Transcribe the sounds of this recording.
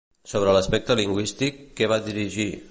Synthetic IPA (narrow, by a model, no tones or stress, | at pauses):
soβ̞ɾələspɛk̚t̪əliŋɡwist̪ikːɛβ̞aðiɾiʒi